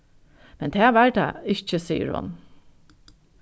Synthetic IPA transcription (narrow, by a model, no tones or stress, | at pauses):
mɛnd̪ʰeːʋæd̪ɛ̰ːɪçəsiːə̰ɹhʊ̰n